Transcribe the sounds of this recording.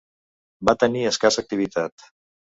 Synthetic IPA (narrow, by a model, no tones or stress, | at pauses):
bat̪əniəskasək̚t̪iβ̞it̪at̪